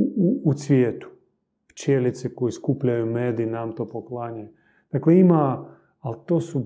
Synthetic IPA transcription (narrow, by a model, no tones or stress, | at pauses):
sʋʲjɛt̪u̥ | pt͡ʃɛlʲit̪sikojiskuplʲajumɛd̪iːnamt̪opoklˠaɲa | t̪aklɛima | alt̪osu